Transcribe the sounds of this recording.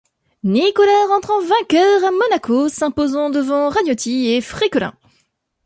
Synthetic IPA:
nikɔlaʁɑ̃t̪χɑ̃vɛ̃kʲœʁamɔnakosɛ̃pozɑ̃d̪əvɑ̃ʁanjot̪ʰiefχikɔlɛ̰̃

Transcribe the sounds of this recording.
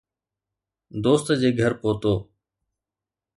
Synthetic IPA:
d̪oːst̪d͡ʑeːɡʱəɾpoːt̪oː

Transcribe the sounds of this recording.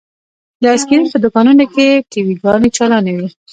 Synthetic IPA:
ləaskiɾinpəd̪ʊkɑnunokeʈiwiɡɑnet͡ʃɑlɑnewi

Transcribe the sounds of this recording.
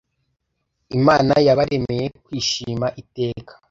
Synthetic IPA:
imaːnajaβaɾe̞mejekwiːʃiːmaʔite̞ːkḁ

